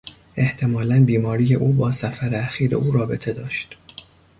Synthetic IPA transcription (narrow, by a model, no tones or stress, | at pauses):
ʔe̞ht̪ʰe̞mɒːlænbiːmɒːɾiːje̞ʔuːbɒːsæfæɾeæxiːɾḛʔuːɾɒːbe̞t̪ʰe̞d̪ɒːʃt̪